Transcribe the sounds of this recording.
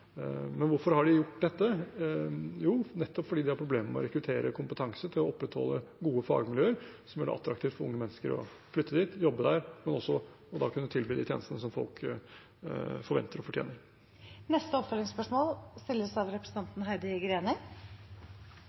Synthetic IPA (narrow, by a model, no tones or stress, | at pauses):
mɛnʋʊɾfɔɾhɑɖɪjʊʈːd̪ɛt̪ːə | juːnɛt̪ːɔpfɔɖiːd̪ɪhɑɾpʰɾʊbleːməməɔ̰ɾɛkɾʉt̪ʰeːɾəkʰʊmpət̪ʰɑŋsət̪ʰɪlɔɔpːɾɛt̪hɔ̰lːəɡuːəfɑ̰ːɡmɪljøːəɾsɔmjæɖɑ̰ʔɑ̰t̪ːɾɑk̚t̪ʰiːʋt̪fɔɾʊ̰ŋːəmɛnːəskəɾɔ̰ | flʏt̪ːəd̪iːt̪jɔbːəd̪æɾmɛnɔsːɔ | ɔd̪ɑkʰʉnːət̪ʰɪlbiːd̪iːt̪jḛːnəst̪ənəsɔmfɔ̰lk | fɔɾʋɛ̰nt̪əɾɔfɔʈʰjḛːnəɾ | nɛst̪əɔpfœlɪŋspœʂmoːlst̪ɪlːəsɑʋɾɛpɾəsn̩ɑnt̪n̩ɦæɪd̪əɪɡəɾeːnə